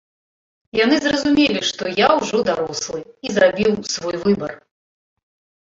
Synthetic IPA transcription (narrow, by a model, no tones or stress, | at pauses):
jan̪ɨzrɐzumʲelʲiʂt̪ɔjawʐɔd̪aɾɔslˠɨizrabʲiwsvɔjvɨbɐr